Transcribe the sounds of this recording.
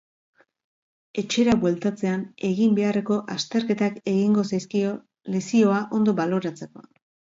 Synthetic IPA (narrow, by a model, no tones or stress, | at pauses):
e̞t͡ʃe̞ɾaβwe̞lt̪at͡se̞ane̞ɣimbe̞are̞ko̞ʔast̪e̞ɾke̞t̪ake̞ɣiŋɡo̞sajskio̞ | le̞sio̞aʔo̞nd̪o̞βalo̞ɾat͡se̞ko̞̰